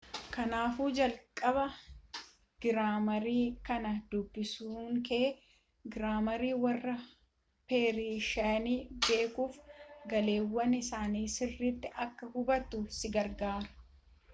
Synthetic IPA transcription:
kɐnaːfuːd͡ʒɐlkʼɐβɐ | ɡ̥ɪɾaːmɐɾiːkɐnɐd̪ʊbːɪsuːŋke | ɡɪɾaːmɐɾiːwɐrːɐ | peːɾiːʃɐniːbe̞ːkuːfɡɐle̞ːwːɐnɪsaːniːsɪrːɪt̪ːɪʔɐkːɐhʊbɐt̪ːʊsɪɡɐɾɡaːɾɐ̥

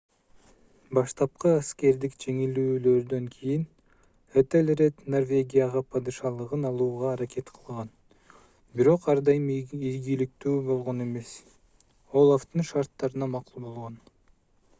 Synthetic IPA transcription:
bɑʃt̪ɑp̚qɯaske̞ɾd̪ikd͡ʒe̞ŋilyːlø̞ɾd̪ø̞ŋkʰijin | et̪elɾet̪no̞rvʲe̞ɡʲijaʁɑpʰɑd̪ɨʃɑlˠɯʁɯnɑlˠuːʁɑːɾakʲe̞t̪qʰɯ̥lˠʁɑn | biɾo̞qɑɾd̪ɑjɯmijɡilik̚t̪yːbo̞lˠʁo̞ne̞me̞s | o̞lˠaft̪ɯnʃɑɾt̪ːɑɾɯnɑmɑqulˠbo̞lˠʁo̞n

